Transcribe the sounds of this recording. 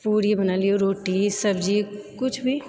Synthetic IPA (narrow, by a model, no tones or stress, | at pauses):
puːɽiebɐnaːlioɾoːʈisɐbd͡ʒikʊt͡ʃʰbʱi